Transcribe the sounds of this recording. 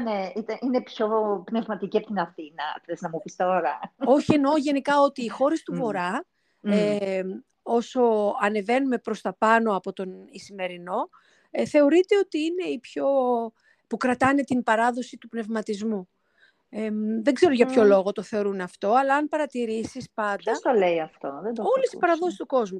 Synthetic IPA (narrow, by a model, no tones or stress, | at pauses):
neit̪ɐʔinepçopnevmɐt̪iciɐpot̪inɐθinɐfθeznɐmupist̪oɾɐo̞çie̞no̞ʝe̞nikɐo̞t̪iːxo̞ɾest̪uvo̞ɾɐ | e | o̞so̞ɐne̞ve̞nume̞pɾo̞st̪ɐpɐno̞ɐpo̞t̪o̞nisime̞ɾino̞ | θe̞o̞ɾit̪e̞o̞t̪iine̞ipço̞ | pukɾɐt̪ɐne̞t̪imbɐɾɐðo̞sit̪upne̞vmɐt̪izmu | eðe̞ɡze̞ɾoʝɐpço̞lo̞ɣo̞t̪o̞θe̞o̞ɾunɐft̪o̞ɐlɐɐnpɐɾɐt̪iɾisispɐnd̪ɐd̪t̪oleiɐft̪oðeo̞lesi̥spɐɾɐðo̞si̥st̪uko̞zmu